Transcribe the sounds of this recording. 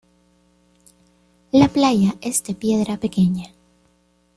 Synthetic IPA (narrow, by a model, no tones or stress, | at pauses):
laplaʝaʔe̞zd̪e̞pje̞ðɾape̞ke̞ɲa